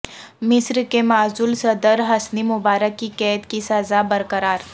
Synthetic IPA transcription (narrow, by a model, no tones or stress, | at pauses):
mɪsɾkemaːzʊlsɐd̪əɾɦɐsnimʊbaːɾəkːikɛːt̪kisɐzabɐɾkəɾaːɾ